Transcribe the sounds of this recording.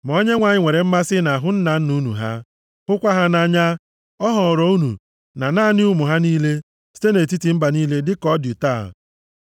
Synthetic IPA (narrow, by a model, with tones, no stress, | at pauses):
m˨ɔ˦ɲe˦ŋʷa˨ɲɪ˦˨ŋʷe˨ɾe˨m̩˦ma˦sɪ˦na˨ɦʊ˦n̩˦na˨n̩˦nu˦nṵ˨ɦa̰˦ | hʊ˦kʷa˦ɦa˦na˦ɲa˦ | ɔ˦ɦɔ˨ɾɔ˨˦u˦nṵ˨ | na˨naː˦nɪ˦u˦mʊ˨ɦa˦niː˦le˦ | si̥˦te˦ne˨t̬i˦ti˨m̩˦ba˨niː˦le˦dɪ˦kɔ˦dʊ˨ta̰ː˦˨